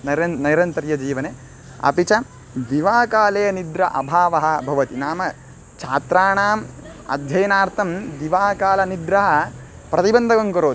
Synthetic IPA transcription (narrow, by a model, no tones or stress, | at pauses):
nɐɾɐnɐjɾɐnt̪ɐɾjɐd͡ʒiːʋɐne | ɐ̰pit͡ʃɐ | d̪iʋaːkaːleːnid̪ɾɐʔɐbʱaːʋɐɦɐ̆bʱɐʋɐt̪inaːmɐ | t͡ʃʰaːt̪ɾaːɳaːmɐ̰d̪ʱjɐjɐnaːɾt̪ʰɐmd̪iʋaːkaːlɐnid̪ɾɐɦɐ̆ | pɾɐt̪ibɐnd̪ʱɐɡɐŋkɐɾoː